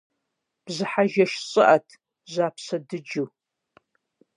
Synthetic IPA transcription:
b̥zɨħaʒɐʃɕʼɨʔɐtʰ | zʷaːpʰsɐdɨd͡ʒuw

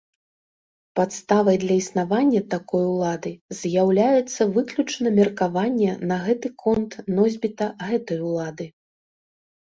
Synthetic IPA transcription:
pat̪st̪avɐjd̪lʲɐisnavanʲːɐt̪akɔjulˠad̪ɨzʲjawlʲajɛt̪sːɐvɨklʲut͡ʂnɐmʲɛrkavanʲːɛnɐɣɛt̪ɨkʰɔnt̪nɔzʲbʲit̪ɐɣɛt̪ɐjulˠad̪ɨ

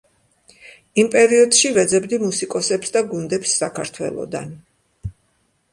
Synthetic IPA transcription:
impʼɛɾiɔd̪ʃivɛd̪zɛbd̪imusikʼɔsɛpsd̪aɡund̪ɛpsːakʰaɾt̪ʰwɛ̰lˠɔ̰d̪a̰n

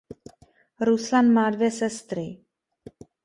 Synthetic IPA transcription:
ɾuslanmaːdvjɛsɛst̪ɾɪ

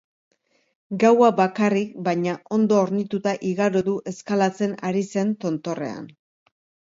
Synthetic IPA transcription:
ɡawaβakarikbajɲaʔo̞nd̪o̞ːɾnit̪ut̪aʔiɣaɾoðuʔe̞skalat͡se̞naɾise̞nt̪o̞nt̪o̞re̞̰a̰n

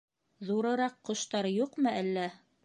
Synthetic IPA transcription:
ðuɾɤ̆ɾɑqːŏʃt̪ɑɾjuqmɤælːæ

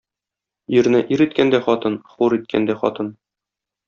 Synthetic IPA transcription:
jɵ̆ɾ̆nɘʔiɾit̪kænd̪æχɒt̪ɤnχuɾit̪̚kʰæ̰nd̪æχɒ̰t̪ɤn

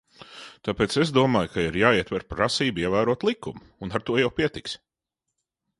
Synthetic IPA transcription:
t̪apeːt̪sezd̪uɔmaːjkʰaiɾjaːiɛt̪vɛɾpɾasiːbiɛvæːɾuɔt̪lˠikːum | unaɾt̪uɔjawpiɛt̪iksʲ

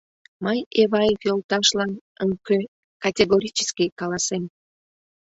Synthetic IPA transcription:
məjeβɑjefjolˠt̪ɑʃlɑn | əŋkø | kɑtʲeɣoɾʲit͡ʃə̥skʲikɑlˠɑsem

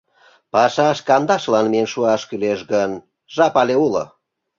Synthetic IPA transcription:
pɑʃɑʃkɑnd̪ɑʃlɑnmienʃuɑʃkyleʃɣən | ʒɑpɑlʲeulo̰

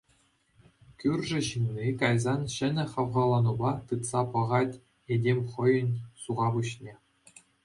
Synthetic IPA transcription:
kʲyrʲʐɘ̆ʑɯnʲːikɑjzɑnɕɘ̆nʲɘ̆χɑʋʁɑlˠɑnubɑt̪ɯt̪sɑpɤ̆ʁɑtʲ | edʲemʲχɤ̆jɤ̆nʲsuʁɑbuɕnʲe

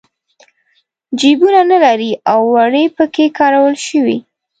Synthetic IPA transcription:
d͡ʒibunanalaɾiʔawːaɽəpəkekɑɾawəlʃəwḭ

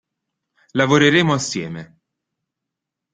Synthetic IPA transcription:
lavoɾeɾeːmoasːjɛːme

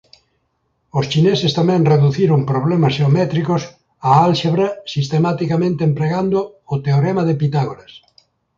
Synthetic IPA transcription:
ost͡ʃinesest̪amɛ̃ŋreðuθiɾoŋpɾoβ̞lemasʃeomɛt̪ɾikos | aalʃeβɾasist̪emat̪ikamẽnt̪empɾeɣand̪oː | t̪eoɾemaðepit̪aɣoɾas

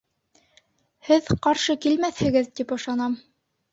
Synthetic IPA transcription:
hɘðqɑɾʃɤkilmæθhɘ̆ɡɘðt̪ipɤ̆ʃɑnɑm

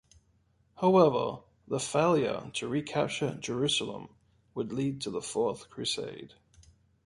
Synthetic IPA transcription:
haʊɛvə̰ | ðəfeɪlˠjə̰tʰəɹikʰa̰p̚t͡ʃəd͡ʒəɹʉˑsəl̩ə̰̃m | wədˡliːd̚tʰəðəfɔˑθkʰɹ̥ʉsḛɪd̥

